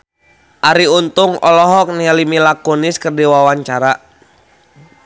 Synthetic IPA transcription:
ʔaɾiunt̪ʊŋɔ̰lɔɦɔk̚nialimilakuniskərdiwawaɲt͡ʃaɾa

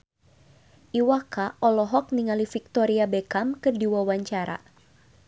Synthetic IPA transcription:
ʔiwakaʔɔlɔɦɔk̚niŋalifik̚t̪ɔɾiabekamkɨrdiwawaɲt͡ʃaɾa̰

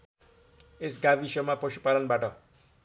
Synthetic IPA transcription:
esɡabisʌmapʌsu̥palʌnbaʈʌ

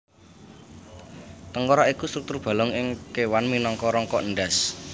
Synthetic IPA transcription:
t̪əŋkɔɾaikust̪ɾuk̚t̪ʊrb̥ä̤lɔŋɪŋkewanminɔŋkɔɾɔŋkɔʔənɖas

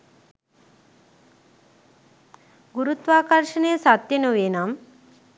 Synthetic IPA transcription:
ɡuɾut̪ʋaːkɐɾʂənejːsat̪jenuʋenam

